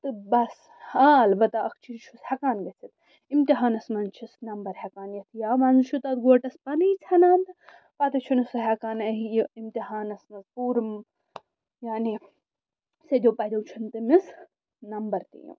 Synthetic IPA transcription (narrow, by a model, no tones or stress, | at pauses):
t̪ɨbɐs | halbɐt̪aɐkʰt͡ʃʰiɾt͡ʃʰushɐkaːnɡɐt͡sʰit̪ | imt̪iɦaːnɐsmɐnt͡ʃʰisnɐmbɐɾhʲɛkaːnjɐt̪ʰjaːmaːnzɨʃʰut̪ɐt̪ɡoːʈɐspɐnit͡sʰɐnaːnt̪ɨ | pat̪ɐt͡ʃʰunɐsɨɦɛkaːnɐɦjimt̪iɦaːnɐsmɐzpuːɾm | jaːni | sed̪ʲowpɐd̪ʲɐwt͡ʃʰɐnt̪ɨmis | nɐmbɐɾt̪ḭjḭm